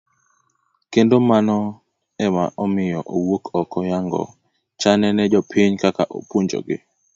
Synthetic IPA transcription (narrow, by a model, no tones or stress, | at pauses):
kendomanɔ | ɛma̰ʔɔmɪjɔʔowokʰɔkɔjaŋɡɔ̰ | t͡ʃanɛnɛd͡ʒɔpʰɪɲkakaʔo̰pwuɲd͡ʒo̰ɡɪ̰